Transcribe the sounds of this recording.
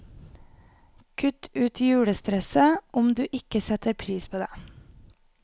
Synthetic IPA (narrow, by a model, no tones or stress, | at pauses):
kʰʉt̪ʉːt̪jʉːɽəst̪ɾɛsəʔʊmd̪ʉːʔɪkəsɛt̪əɾpʰɾiːspʰoːd̪eː